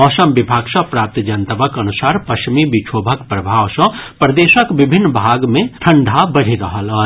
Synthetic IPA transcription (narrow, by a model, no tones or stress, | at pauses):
ɔːsəmbɪbʱaːɡsɐ̃pɾaːp̚t̪d͡ʒɐnt̪əbəkɐnʊsaːɾpɐʃmibit͡ʃʰoːbʱəkpɾɐbʱaːʋsə̃pɾɐd̪eːʃəkʋɪbʱɪnːbʱaːɡmẽt̪ʰɐ̃ɳɖʱabɐɽ̤iɾɐɦəlɦɐ